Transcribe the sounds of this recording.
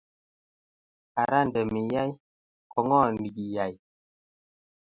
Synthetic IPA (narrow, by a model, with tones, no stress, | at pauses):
a˨ɾa˦ndɛ˨mi˨ja˦j | kɔ˨ŋɔ˦˨ni˨ki˨ja˨j